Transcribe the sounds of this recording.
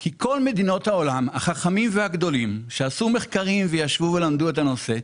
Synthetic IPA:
kikʰo̞lme̞d̪ino̞t̪hao̞lamaχaχamimvehaɡd̪o̞limʃe̞asume̞χkaʁimvejaʃvuve̞lamd̪ue̞tano̞se̞

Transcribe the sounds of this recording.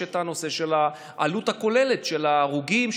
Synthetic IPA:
etano̞se̞ʃela | ʔaluthako̞le̞letʃelaʁuɡim

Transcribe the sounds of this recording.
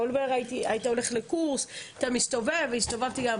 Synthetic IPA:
olbeʁait̪iait̪aole̞χlekuʁsat̪amist̪ovevist̪ovavt̪iɡam

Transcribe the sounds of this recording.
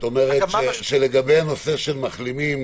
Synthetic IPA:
t̪omeʁet̪ʃeʃeleɡabejanose̞ʃelmaχlimim

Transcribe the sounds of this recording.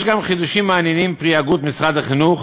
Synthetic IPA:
ʃɡamχid̪uʃimːeanjenimpʁiaɡut̪misʁad̪aχinuχ

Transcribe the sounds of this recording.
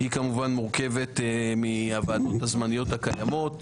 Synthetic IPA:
hikamuvanmuʁke̞ve̞tmiavaːdo̞thazmanijo̞thakajamo̞t

